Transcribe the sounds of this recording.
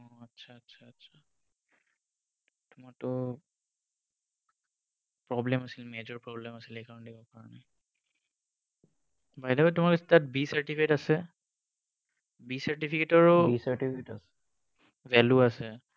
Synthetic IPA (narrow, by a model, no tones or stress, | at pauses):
ɔatːsʰaːtsʰaːtːsʰa | tʊmaɹtʊ | pɹɔblɛmasilmed͡ʒɔɹpɹɔblɛmasilejkaɹɔndibɔkaɹɔna | bajdɛbajtʊmaɹkɔsʰtat̚bisaɹtipʰiketasɛ | bisaɹtipʰiketɔɹʊisaɹʈipʰiketasɛ̥ | vɛluasɛ